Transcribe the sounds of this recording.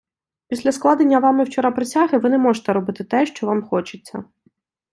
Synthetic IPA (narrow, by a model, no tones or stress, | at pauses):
pʲisʲlʲɐsklˠɑd̪enʲːɐʋɑmɪwt͡ʃɔɾapɾet͡sʲaɦɪʋɪnɛmɔʒet̪ɛɾɔbɪt̪ɪt̪ɛʃt͡ʃɔʋɑmxɔt͡ʃɪt͡sʲːɐ̰